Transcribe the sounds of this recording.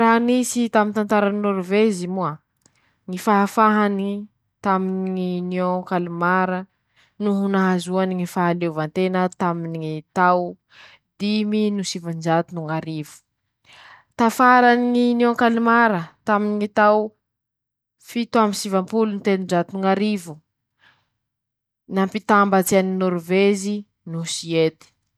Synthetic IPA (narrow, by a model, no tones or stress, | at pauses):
ɾaɦnisit̪amint̪ant̪aɾaninoɾuvezimua | ŋifaɦafaɦani | t̪aminiŋiniokalimaɾə | nuɦunaɦazuaniŋifaɦaleuvant̪enət̪aminiŋit̪aw | d̪iminusivand͡ʒat̪unuŋaɾivu̥ | t̪afaɾaniŋinõkalimaɾət̪aminiŋit̪aw | fit̪uamisivampulunit̪enund͡ʒat̪unuŋaɾivu | nampit̪ambat͡sianinuɾvezi | nusiet̪i̥